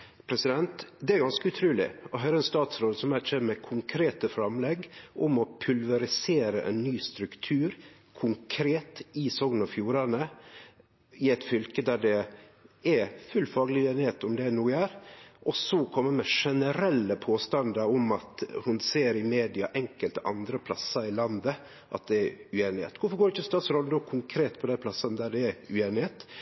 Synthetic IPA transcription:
pʰɾɛsɪd̪ɛnt̪d̪ɛæɾɡɑnskəʉt̪ʰɾʉːlɪ̰ɔɦœɾəɛnst̪ɑːt̪sɾoːd̪sɔmæt͡ʃɛmɛkʰʊŋkʰɾeːt̪əfɾɑmlɛɡʔʊmɔpʰʉlʋɛɾɪseːɾə̰ʔɛ̰nːyːst̪ɾʉkt̪ʰʉːɾ | kʰʊŋkʰɾeːt̪ɪsɔɡnɑfjuːɾɑnə | ɪɛɪt̪fʏlkəd̪æɖɛ | ɛfʉlfɑːɡəlɪʉeːnɪheːt̪ʊmd̪ɛnuːəæɾʔɔsɔkʰɔmːəmɛʂɛnəɾɛlːəpʰoːst̪ɑnd̪əɾʊmɑt̪hʊnseːɾɪmeːd̪ɪɑ̰ʔɛŋkəlt̪əʔɑ̰nd̪ɾəpʰlɑsːəɾɪlɑnd̪ə | ʔɑ̰t̪̚d̪ɛæɾʉeːnɪhḛːt̪ʋʊfɔɾɡoːɖɪçəst̪ɑːt̪sɾɔləd̪oːkʰʊŋkʰɾeːt̪pʰɔd̪æɪpʰlɑsənəd̪æɖɛːʉeːnɪheːt̪

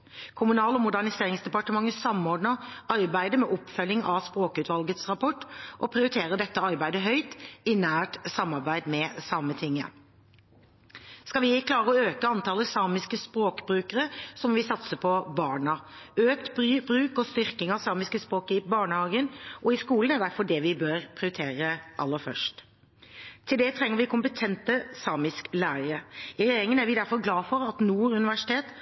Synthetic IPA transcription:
kʰʊmʉnɑːlɔmʊd̪æʁɳɪseːʁɪŋsd̪ɛpɑʈəmɑŋəsɑmɔɖnəɾɑɾbæɪd̪əmɛʔɔpfœlːɪŋɑspɾoːkʉːt̪ʋɑlɡət̪sʁɑpʰɔʈːʔɔpʰʁɪʊɾɪt̪ʰeːɾəd̪ɛt̪ːəɑɾbæɪd̪əɦœʏt̪ɪnæːʈsɑmːɑɾbæɪd̪mɛsɑmət̪ʰɪŋːə̰ | skɑlʋɪkʰlɑːʁəɔøːkəɑnt̪ʰɑləsɑːmɪskəspɾoːkbɾʉːkəʁəsɔmʋɪsɑt̪səpʰɔbɑːɳɑøːkt̪bbɾʉːkɔst̪ʏɾkɪŋɑʋsɑːmɪskəspɾoːkɪbɑːɳəhɑːɡənʔɔɪskuːlənæd̪æɾfɔɖɛʋɪbøːɾpʰʁɪʊɾɪt̪ʰeːɾəʔɑ̰lːəɾfœ̰ʂt | t̪ʰɪld̪ɛt̪ʰɾɛŋːəɾʋɪkʰʊmpət̪ʰɛnt̪əsɑːmɪsklæːɾəɾəɪɾɛeːɾɪŋənæɾʋɪd̪æɾfɔɾɡlɑːfɔɾɑt̪nuːɾʉnɪʋæʂɪ̥t̪ʰeːt̪

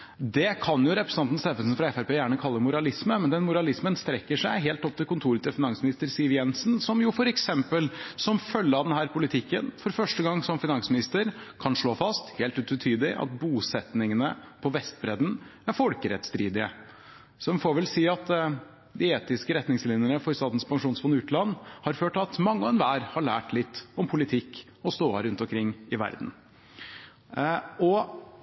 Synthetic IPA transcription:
d̪ɛkʰɑnjʊɾɛpɾəsəɑnt̪n̩st̪ɛːfəlsn̩fɾɑɛfæɾpeːjæːɳəkʰɑlːəɾmʊɾɑlɪsməmɛnd̪ɛnmʊɾɑlɪsmənst̪ɾɛkːəʂæɪɦeːlt̪ɔp̚t̪ʰɪlkʊnt̪ʰuːɾət̪əlfɪnɑŋsmɪnɪst̪əɾsɪʋjɛnsnsɔmjʊfɔɾɛksɛmpəlsɔmfœlːəɑʋd̪ɛnɦæːɾpʰʊlɪt̪ʰɪkːənfɔɾfœʂʈəɡɑŋːsɔmfɪnɑŋsmɪnɪst̪əɾkʰɑnʂɭoːfɑst̪heːlt̪ʉːt̪ʰʉt̪ʰyːd̪lɪʔɑ̰t̪̚buːsɛt̪nɪŋənə̰pʰɔʋɛst̪bɾɛd̪n̩æɾfɔlkəɾɛt̪st̪ɾiːd̪ɪə̰ | sɔʋfoɾʋɛlsiːɑt̪ | d̪ɪeːt̪ɪskəɾɛt̪nɪŋslɪːnənəfɔɾst̪ɑːt̪n̩spʰɑŋʂuːnsfɔnʉːt̪lɑnːhɑɾføːʈ̪ɑt̪mɑŋːəɛnʋæːɾhɑɭæ̰ːʈlɪt̪ːɔmpʰʊlɪt̪ʰɪkː | ɔst̪oːɑɾʉnt̪ɔmkʰɾɪŋːɪʋæ̰ɾd̪n̩ | ɔ

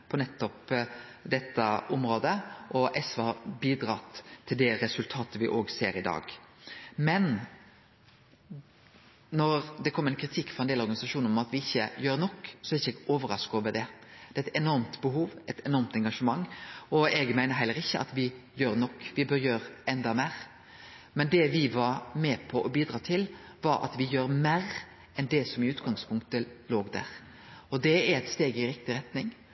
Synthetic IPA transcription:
pʰɔnɛt̪ːɔpd̪ɛt̪ːəɔmɾoːd̪əʔɔʔɛsʋɑbiːd̪ɾɑːt̪ʰːɪld̪ɛɾɛsʉlt̪ʰɑːt̪əʋɪʔoːɡseːɾɪd̪ɑ̰ːɡ | mɛn | nɔɾd̪ɛkʰɔmːəɛnkʰɾɪt̪ʰɪkːfɔɾɛnd̪eːlɔɾɡɑnɪsɑʂuːnnɔmɑt̪ʋɪɪçːəjøːɾnɔkːsɔɛɾɪçːəɛɡoːʋəɾɑskɑʋəd̪ɛd̪ɛːæɪt̪ɛnɔɾmt̪bəɦuːʋɛt̪ɛnɔɾmt̪ɛŋɡɑʂəmɑŋːɔɛɡmæɪnəɾɦæɪləɾɪçːəʔɑ̰t̪ʋɪjøːɾnɔkːʋɪbøːɾjøːɾɛnd̪ɑmæɪɾ | mɛnd̪ɛʋɪʋɑɾmɛpʰɔʔɔbiːd̪ɾɑːt̪ʰɪlʋɑɾɑ̰t̪ʋɪjøːɾmæːɾ | ɛnd̪ɛsɔmɪʉːt̪ɡɑŋspʰʊŋk̚t̪əloːɡd̪æ̰ɾ | ɔd̪ɛæɾɛt̪st̪eːɡɪɾɪkt̪ɪɾɛt̪nɪŋ

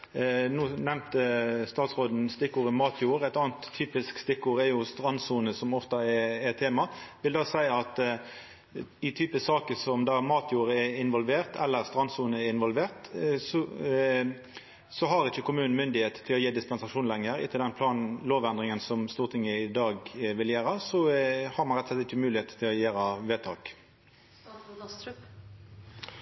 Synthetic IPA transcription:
nuːnɛmt̪əst̪ɑːt̪sʁoːd̪n̩st̪ɪkːuːɾəmɑːt̪ʰjuːɾɛt̪ɑːnt̪ʰːyːpɪskst̪ɪkːuːɾɛjʊst̪ɾɑnːsuːnəsɔmɔft̪ɑɛɛt̪ʰeːmɑʋɪld̪ɑːsæɪɑt̪ | ɪt̪ʰyːpəsɑːkəsɔmd̪ɑæmɑːt̪ʰjuːɾəɛɪnʋɔlʋeːʁt̪ʰɛlːəʁst̪ʁɑnsuːnəɛɪnʋɔlʋeːʁt̪sɔ | sɔɦɑɾɪçːəkʊmʉːnn̩mʏnd̪ɪheːt̪ət̪ʰɪlɔjiːd̪ɪspɛnsɑʂuːnlɛŋːəɾɪ̰t̪əld̪ɛnpʰlɑːnloːʋɛnd̪ʁɪŋənsɔmst̪uːʁt̪ʰɪŋːəɪd̪ɑːɡʋɪljæːɾɑsɔhɑʁmɑnɾɛt̪ɔslɛt̪ɪçːəmʉːlɪheːt̪ə̥t̪ʰɪlɔjæːɾɑʋeːt̪ʰɑːk

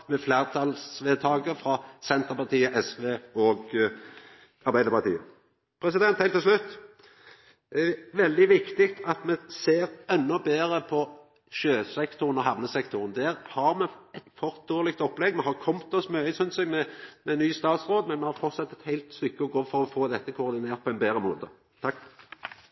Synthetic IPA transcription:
mɛfleːʁt̪ʰɑlsʋeːt̪ʰɑːɡəfɾɑsɛnt̪əʁpɑʁt̪ʰiːəʔɛsʋeːɔɡ | ɑɾbæɪəɾpɑt̪ḭːə | pʰɾɛsɪd̪ɛnt̪hæɪlt̪ɪlʃlʉt̪ː | ɛʋɛld̪ɪʋɪkt̪ɪkt̪ʰɑt̪mɛseːɾɛnːɔbeːʁəpʰɔ | ʃøːsɛkt̪ʊʁənɔɦæʁnəsɛkt̪ʊʁənd̪æːʁhɑɾmɛɛt̪fɔʁt̪̚d̪oːʁlɪk̚t̪ɔpːlɛɡːmɛɦɑʁkʰɔmt̪ɔsmøːəsʉnsɛɡmɛmɛnyːst̪ɑːt̪sʁoːd̪mɛnmɛhɑɾfɔʁt̪sɑt̪ːɛt̪hæɪlt̪st̪ʏkːəɔɡoːfɔɾɔfoːd̪ɛt̪ːəkʰʊːʁd̪ɪneːɾt̪̚pʰɔɛɪnbeːɾəmoːt̪ə | t̪ʰɑkː

